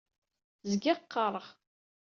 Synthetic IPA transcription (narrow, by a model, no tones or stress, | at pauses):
zɡɪqːɑɾˤəʁ